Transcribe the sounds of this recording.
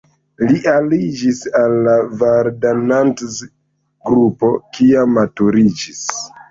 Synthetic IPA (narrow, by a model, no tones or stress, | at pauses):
liʔalid͡ʒisalːavaɾdanants | ɡɾupo̞kiamːatuɾid͡ʒis